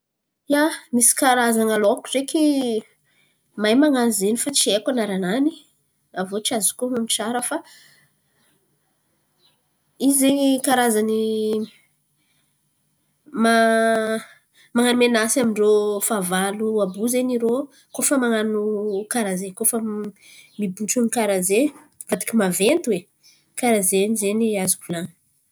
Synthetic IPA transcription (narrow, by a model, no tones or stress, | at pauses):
jamisi̥kaɾazanaloakureki | majmaŋazenifat͡ʃiekanaɾanani | avot͡ʃiazi̥kumamit͡ʃaɾəfa | izekaɾazani | ma | maŋanumenasamiɳɖ͡ʐofavaluabuzeniɾo | kofəmaŋanukaɾazekofə | mibuʈ͡ʂunikaɾaze | vad̪i̥kʲimavent̪uwe | kaɾazenizeniazubulan